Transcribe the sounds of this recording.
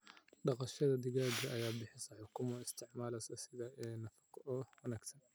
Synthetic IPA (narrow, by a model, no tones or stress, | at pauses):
ɖɑqɑʃɐðɐd̪ɪɣaːd͡ʒɐʔɐjaːbɪħɪsɐħʊkʰʊmɔɪst̪ʰɪʕmaːlɐsɐsɪðɐɛnɐfɑ̥qʔɔwɐnaːɡt̪ʰɐn